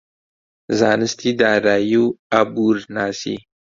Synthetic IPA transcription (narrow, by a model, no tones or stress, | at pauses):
zanəstidaɾajuabuɾnasḭ